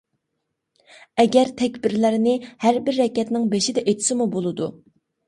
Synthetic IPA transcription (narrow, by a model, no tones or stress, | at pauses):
ɛɡʲɛɾt̪ʰɛkʲbɪɾlɪɾnɪhæɾbɪɾːɛkʲɛt̪nɪŋbeʃid̪ɛʔet̪ʰɪ̥sɪmubolˠɨd̪u